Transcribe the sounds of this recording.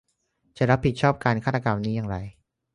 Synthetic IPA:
t͡ɕa˨˩ɾa˦˥pʰːi˨˩t̪̚t͡ɕʰɔː˥˩p̚kaː˧nkʰa˥˩t̪a˧ka˧mniː˦˥jaː˧ŋɾa˧j

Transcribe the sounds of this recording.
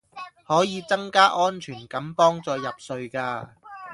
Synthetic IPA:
hɔː˨˥jiː˨˧t͡sɐ˥ŋkaː˥ʔɔː˥nt͡ʃʰyː˨˩nkɐ˨˥mpɔː˥ŋt͡sɔː˧jɐ˨p̚sɵ˧ɥkaː˧

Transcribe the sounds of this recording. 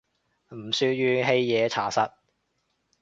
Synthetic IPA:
m̩˨˩syː˧jyː˧ɦe˧jːɛː˨˧t͡sʰa̰ː˨˩sɐ˧t̚

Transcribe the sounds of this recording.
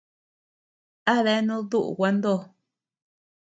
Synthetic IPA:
a˦ðe˦nũ˦ðu˦ʔṵ˨wʷa˧nd̪o˦˨

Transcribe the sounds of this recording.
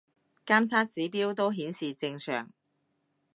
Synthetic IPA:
kaː˥mt͡sʰaː˥t̚t͡siː˨˥piː˥wt̪o˥wɦiː˨˥nsiː˨t͡sɪ˧ŋsœ̰ː˨˩ŋ

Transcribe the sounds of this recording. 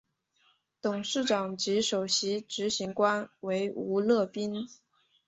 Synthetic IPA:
t̪ʊ˨˩ŋʂɻ̩˥˩ʈ͡ʂɑ˨˩ŋt͡ɕi˧˥ʂo˨˩ʊɕi˧˥ʈ͡ʂɻ̩˧˥ɕi˧˥ŋkwa˥nwe˧˥ɪu˧˥lɤ˥˩pi˥n

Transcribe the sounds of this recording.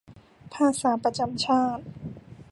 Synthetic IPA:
pʰaː˧˩saː˩˦pɾa˧t͡ɕa˧˩mt͡ɕʰaː˥˩t̪̚

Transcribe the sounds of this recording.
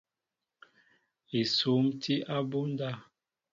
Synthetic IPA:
i˨su˨˦mtʰi˦ʔa˦bu˦n˦da˦˨

